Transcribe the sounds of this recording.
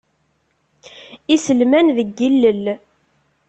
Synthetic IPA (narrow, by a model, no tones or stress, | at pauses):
isəlmænðəɡːilːəl